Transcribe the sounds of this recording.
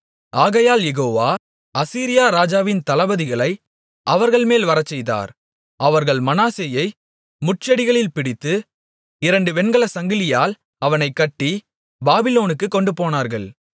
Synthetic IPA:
aːɣɐjaːljɛɣoːʋaː | ɐsiːɾɪjaːɾaːd͡ʒaːʋɪnt̪ɐlɐbɐðɪɣɐɭɐɪ | ʔɐʋɐɾɣɐɭmeːlʋɐɾɐt͡ʃːɛjða̰ːɾ | ɐʋɐɾɣɐɭmɐnaːseːjɐɪ | mʊʈ̚t͡ʃɐɽɪɣɐɭɪlpɪɽɪt̪ːɯ | ɪɾɐɳɖɯʋɛɳɡɐɭɐsɐŋɡɪlɪjaːl | ɐʋɐnɐɪkːɐʈːi | baːbɪloːnɯkːɯkːɔɳɖɯpoːnaːɾɣɐɭ

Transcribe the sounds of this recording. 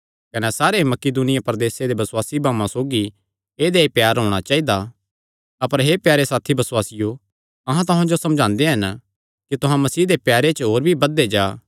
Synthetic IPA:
kɐnɛsaːɾemɐkid̪uːnɪjapɐɾd̪eːsed̪ebɐswaːsibʱaːmãsoːɡi | eːd̪eepjaːɾɦõːɽ̃at͡ʃaːid̪a | ɐpəɾɦepjaːɾesaːt̪ʰibɐsʊwaːsɪjo | ɐɦãt̪̬ʊɦãd͡ʒosɐmd͡ʒʱãːnd̪eɦɐn | kit̪ʊɦãmɐsiːd̪epjaːɾet͡ʃɦoːɾbʱibɐd̪ːed͡ʒaː

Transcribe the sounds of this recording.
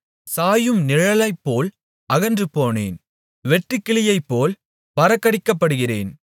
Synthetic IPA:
saːjɯmnɪɻɐlɐɪpːoːl | ʔɐɣɐndrɯpoːnḛːn | ʋɛʈrɯkːɪɭɪjɐɪpːoːl | pɐɾɐkːɐɽɪkːɐpːɐɽɯɣɪrḛːn

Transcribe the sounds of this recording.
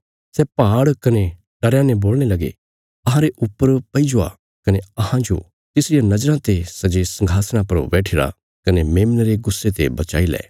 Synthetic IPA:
sɛpaːɽkɐne | ʈɐɾjãnẽboːlñelɐɡḛ | ɐɦãɾeʔʊpːəɾpɐid͡ʒʊa̰ | kɐneɐɦãd͡ʒo̰ | t̪ɪsɾɪjanɐd͡ʒɾãt̪esɐd͡ʒesɐ̃ŋɡʱaːsɽ̃ãpɐɾo̰bɛːʈʰɪɾa̰ | kɐnemeːmnɾeɡʊsːet̪ḛbɐt͡ʃa̰ːilɛ̰ː

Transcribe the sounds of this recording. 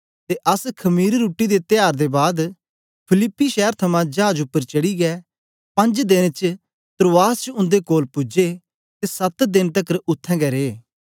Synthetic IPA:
t̪eʔɐskʰɐmiːɾːuːʈːid̪et̪ɪjaːɾd̪ebaːd̪ | pʰɪlɪpːiʃɛːəɾt̪ʰɐmãd͡ʒaːd͡ʒʊpːəɾt͡ʃɐɽiɡɛː | pɐ̃nd͡ʒd̪ɪnt͡ʃ | t̪ɾoːaːst͡ʃʊ̃nd̪ekoːlpʊd͡ʒe | t̪esɐt̪d̪ɪnt̪ɐkəɾʊt̪ʰːɛ̃ːɡɛɾeː

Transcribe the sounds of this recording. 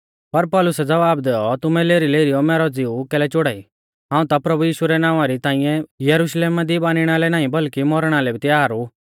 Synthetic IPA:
pɐɾpɔːlʊsɛd͡zɐʋaːbd̪ɛːɔt̪ʊmɛleːɾileːɾijɔmɛːɾɔd͡zɪukɛːlɛt͡ʃʊɽaːi | ɦãːũt̪apɾɐbujiːʃuɾɛnãːʋ̃ãɾit̪ãːɪ̃jɛ̃jɐɾuʃleːmad̪ibaːnɪɽ̃alɛnaːĩbɐlkimɔɾɽ̃alɛbʱit̪ɛaːɾu

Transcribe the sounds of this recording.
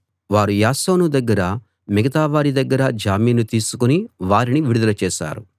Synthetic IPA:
ʋaːɾujaːsoːnud̪ɐɡːɐɾɐ | miɡɐt̪aːʋaːɾid̪ɐɡːɐɾɐd͡ʒaːmiːnut̪iːsu̥kuniʋaːɾiniʋiɽud̪ɐlɐt͡ʃɛːʃa̰ːɾu

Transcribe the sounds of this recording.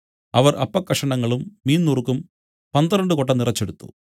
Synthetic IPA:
ɐʋɐrʔɐpːɐkːɐʂɐɳɐŋːɐɭumːiːnːurkːum | pɐnd̪ɐrɐɳɖɨkoʈːɐnirɐt͡ɕːe̞ɽut̪ːṵ

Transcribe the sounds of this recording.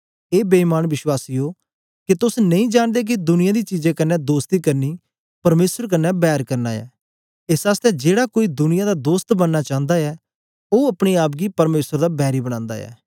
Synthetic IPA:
eːbeːmaːnʋɪʃwaːsiːoː | ket̪ʊsnɐ̃ĩːd͡ʒaːɳd̪eːk̬id̪ʊnɪ̃jaːd̪iːt͡ʃiːd͡ʒẽkənːɛːd̪oːst̪iːkɐɾniː | pɐɾmeːsəɾk̬ənːɛːbɛːɾkəɾnaːɛ̰ː | ɪsaːst̪ɛd͡ʒeːɽaːkoːiːd̪ʊnɪjãːd̪aːd̪oːst̪bənːaːt͡ʃãːnd̪aːɛː | oːɐpɽ̃iːaːp̬̚ɡiːpɐɾmeːsəɾd̪aːbɛːɾibəɽ̃ãːnd̪a̰ːɛ̰ː

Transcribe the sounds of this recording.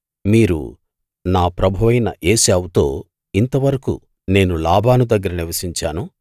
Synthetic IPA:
miːɾṵ | naːpɾɐbʱuʋɐjnɐ̰ʔe̞ːsaːwut̪o̞̰ː | int̪ɐʋɐɾɐkṵ | ne̞ːnulaːbʱaːnud̪ɐɡːɐɾɐniɾʋɐsiɲt͡ʃaːnu

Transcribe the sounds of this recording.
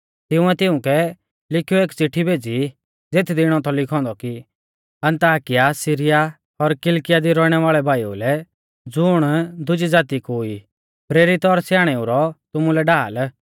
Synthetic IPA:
t̪ɪʊ̃ɛt̪ɪʊ̃kɛ | lɪkʰijueːkt͡sɪʈʰːibʱeːd͡zi | d͡zet̪ʰd̪ɪɽ̃ɔt̪ɔlɪkʰɔ̃ːnd̪ɔki | ɐ̃nt̪aːkɪjasɪɾɪja | ɔɾkɪlkɪjad̪iɾɔɽ̃ɛʋaːɭɛbʱaːjṵlɛ | d͡zʊɽ̃d̪ʊd͡ʒid͡zaːt̪ikoi | pɾeːɾit̪ɔɾsjaːɽ̃ɛuɾɔt̪ʊmulɛɖaːl

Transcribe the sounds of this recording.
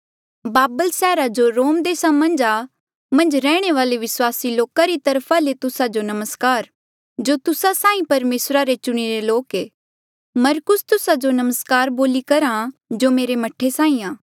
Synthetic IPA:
baːbəlsɛːɾad͡ʒoɾoːmd̪eːsamɐ̃nd͡ʒa | mɐ̃nd͡ʒɾɛːɽ̃eʋaːleʋɪswaːsiloːkaɾit̪ɐɾpʰalet̪ʊsad͡ʒonɐməskaːɾ | d͡ʒoːt̪ʊsasãːĩpɐɾmeːsɾaɾet͡ʃʊɽ̃iɾeloːkeː | mɐɾkʊst̪ʊsad͡ʒonɐməskaːɾboːlikɐɾãd͡ʒoːmeːɾemɐʈʰːesãːĩaː

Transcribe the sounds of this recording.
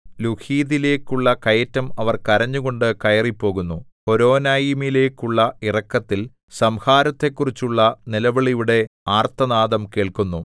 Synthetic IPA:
luhiːðile̞ːkːuɭːɐkɐjɐtːɐmɐʋɐrkɐɾɐɲːuɣo̞ɳɖɨkɐjɐripːo̞ːɣunːuho̞ɾo̞ːnaːjimile̞ːkːuɭːɐirɐkːɐt̪ːil | sɐmhaːɾɐt̪ːe̞kːurit͡ɕːuɭːɐnilɐʋɐɭijuɽe̞aːrt̪ɐnaːðɐmke̞ːɭkunːu

